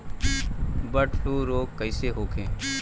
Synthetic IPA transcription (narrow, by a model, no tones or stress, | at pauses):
bəʈfluːɾoːɡkəɪseɦoːkẽː